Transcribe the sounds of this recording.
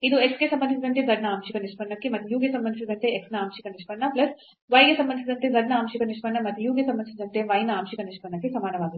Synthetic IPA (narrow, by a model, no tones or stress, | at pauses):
id̪ueksɡesɐmbɐnd̪isid̪ɐnt̪ed͡zɐɽnɐaːmʂikɐniʂpɐɳːɐkːemɐt̪ːujuːɡesɐmbɐnd̪isid̪ɐnt̪eeksnɐaːmʃikɐniʂpɐɳːɐplɐs | ʋɐjɡesɐmbɐnd̪isid̪ɐnt̪ed͡zɐɖnɐaːmʃikɐniʂpɐɳːɐmɐt̪ːujuːɡesɐmbɐnd̪isid̪ɐnt̪eʋɐjnɐaːmʃikɐniʂpɐɳːɐkːesɐmaːnɐʋaːɡut̪ː